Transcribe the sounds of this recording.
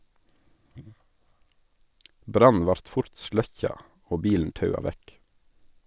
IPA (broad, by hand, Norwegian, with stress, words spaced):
ˈbɾɑn̩ ˈʋɑɾt ˈfʊɾt ˈʃlœçɑ ˈoː ˈbiːln̩ ˈtɑʉɑ ˈʋæk